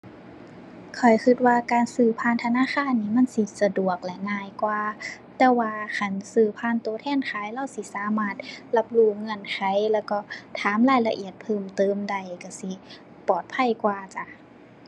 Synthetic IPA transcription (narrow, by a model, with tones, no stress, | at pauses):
kʰɔ˨˩jkʰi˧t̪̚waː˧kaː˨˧nsɯː˧˩pʰaː˧˥˨nt̪ʰa˧naː˧˥˨xaː˧˥˨nːiː˧˩ma˧˥˨nsi˧sa˧du˨˩ək̚lɛ˧ŋaː˧˨jkwaː˧ | t̪ɛː˧˩waː˧kʰa˧˩nsɯː˧˩pʰaː˧˥˨nt̪u˧˨˦t̪ʰɛː˧˥˨nkʰaː˨˧˦jla˧˥˨wsi˧˦saː˨˧˦maː˧˩t̪̚la˧p̚luː˧˩ŋɤ˧˩˨nkʰa˧˩jlɛː˧˩wkɔ˧˩t̪ʰaː˨˦mlaː˧˩˨jla˧ʔi˨˩ət̪̚pʰɤː˧˩mt̪ɤː˧mda˧˩jka˧˩si˧˦ | pɔː˨˩t̪̚pʰa˧˥˩jkwaː˧t͡ɕa˧